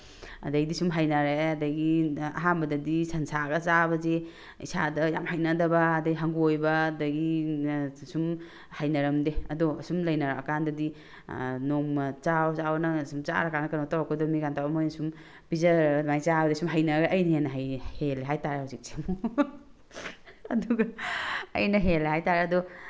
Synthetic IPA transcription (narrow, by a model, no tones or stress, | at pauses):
ɐ̰dɐɡidisumɦajnaɾeɐdɐɡiɐ̰ɦambɐdɐdisɐnsaɡat͡ʃabɐze | ḭsadɐjamhajnadɐbɐːdɐɡiɦaŋɡuojbɐdɐɡi | sum | hajnɐɾɐmdeɐdɔsumlɐjnaɾaɐkandɐdi | noŋmɐt͡ʃawt͡ʃawnɐsumt͡ʃa̰ɾakanɐkɐnotaɾakodɔmiɡantʰawɐmojnɐsum | bizamajt͡ʃabɐdisumɦajnɐɡɐʔɐjnɐjenɐɦajheleɦajtaɾehawzik̚semu | ɐduɡɐ̰ː | jnɐɦelɦajtaɾeɐdɔ